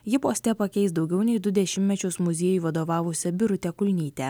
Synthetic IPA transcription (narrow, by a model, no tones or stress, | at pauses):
jɪpoːsʲt̪ʲɛpɐkʲɛɪst̪d̪ɒʊɡʲɛʊnʲɛɪd̪ʊd̪ʲɛʃʲɪmʲmʲɛt͡ʃʲʊsmʊzʲiɛjʊʋɐd̪oːʋɑːʋʊsʲɛbʲɪɾʊt̪ʲɛkʊlʲnʲiːt̪ʲɛ